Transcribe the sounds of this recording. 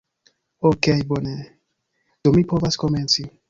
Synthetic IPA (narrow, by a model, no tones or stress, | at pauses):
okejbone | d̪̥omipovaskoment͡si